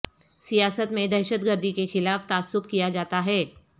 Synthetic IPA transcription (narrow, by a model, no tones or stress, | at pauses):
sijaːsət̪mẽd̪ɛːʃət̪̚ɡəɾd̪ʱikexɪlaːft̪aːsːʊfkijad͡ʒaːt̪aɦɛː